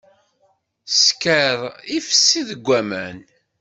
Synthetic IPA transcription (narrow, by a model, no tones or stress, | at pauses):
skəɾˤifə̥sːiðəɡʷːæmæn